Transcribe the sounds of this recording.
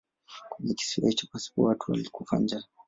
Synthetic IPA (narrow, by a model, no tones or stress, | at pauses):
kwɛɲɛki̥siahit͡ʃḁpasi̥kuatʰua̰likufa̰nd͡ʒa